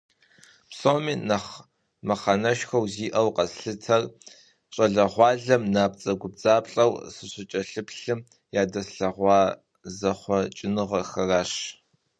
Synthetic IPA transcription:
psoːmiːnɐχ | mɐχɐnɐʃxɐwziːʔɐwqɐsɬɨtʰɐr | ɕʼɐɮɐʁʷɑːɮɐmnaːp̚t͡sʼɐɡʷʊb̚d͡zaːpɬʼɐwsɨɕʷɪt͡ʃʼɐɬɨpɬɨm | jaːdɐsɬɐʁʷɑː | zɐχʷɔt͡ʃʼɪnɨʁɐxɐraːɕ

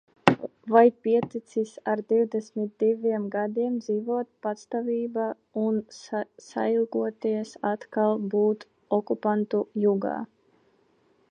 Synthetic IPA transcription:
vajpʲiɛt̪it̪sisaɾd̪iwd̪ɛsʲmit̪̚d̪ivʲiɛmɡad̪iɛmd̪ziːvuɔt̪̚pat̪st̪avʲiːba | unsa̰ilˠɡuɔt̪iɛsat̪kalˠbuːt̪ | ɔkupant̪ujuɡa̰ː

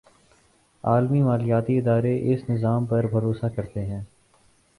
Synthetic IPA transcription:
aːlmimaːlɪjaːt̪iɪd̪aːɾeʔɪsnɪzaːmpɐɾbʱɐɾoːsakɐɾt̪eɦɛ̃ː

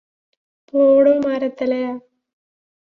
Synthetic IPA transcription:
poːɽoːmaːɾɐt̪ːɐlɐjaː

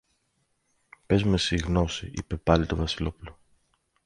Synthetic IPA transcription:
pe̞zme̞siɣno̞siʔḭpe̞pɐlit̪ovɐsilo̞pulo

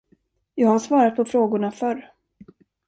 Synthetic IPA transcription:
jɑːɡhaʂvɑːɾat̪̚pʰɔfɾoːɡʊɳafœɾ

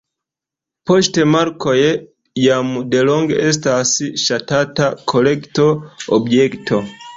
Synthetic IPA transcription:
postemaɾkoje | jamudeloŋɡes̬tasiʃatatakʰolektoobjektʰo

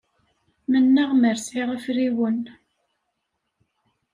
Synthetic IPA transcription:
mənːæʁməɾsʕiʁæfɾiwən

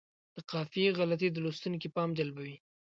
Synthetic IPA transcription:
d̪̥əqɑfieɣalat̪̬id̪əlost̪unk̬ipɑmd͡ʒalbawi

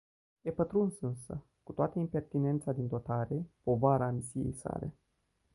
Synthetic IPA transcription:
jepət̪ɾunsɨnsə̰ | kut̪oat̪əimpe̞rt̪ine̞nt̪sad̪ind̪o̞t̪aɾe̞po̞vaɾaːmisije̞̰jsa̰le̞̰

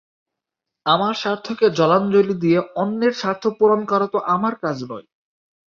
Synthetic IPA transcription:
amaɾʃaɾt̪ʰoked͡ʑɔland͡ʑolid̪ijeɔnːeɾʃaɾt̪ʰopuɾonkaɾot̪oʔamaɾkad͡ʑnɔ̰j

